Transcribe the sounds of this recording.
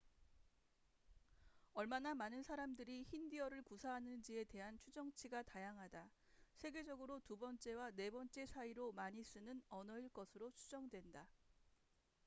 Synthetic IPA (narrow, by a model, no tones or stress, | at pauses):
ʌɭmanamanɯnsʰaɾamdɯɾiçindiʌɾɯɭkusʰaɦanɯnd͡ʑie̞te̞ɦant͡ɕʰud͡ʑʌŋt͡ɕʰiɡatajaŋɦada | sʰe̞ɡe̞d͡ʑʌɡɯɾotubʌnt͡ɕ͈e̞wane̞bʌnt͡ɕ͈e̞sʰaiɾomaɲis͈ɯnɯnʌnʌiɭk͈ʌsʰɯɾot͡ɕʰud͡ʑʌŋdwe̞nda